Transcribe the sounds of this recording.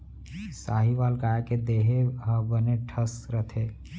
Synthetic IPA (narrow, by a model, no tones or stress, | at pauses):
saːɦiʋaːlkaːjaked̪eɦeɦəbəneʈʰəsɾət̪ʰe